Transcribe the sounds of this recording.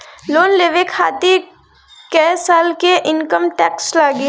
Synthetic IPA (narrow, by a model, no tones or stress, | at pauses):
loːnleːʋekʰa̰ːt̪i | kesaːlkeʔɪnkəmʈɛːkslaːɡi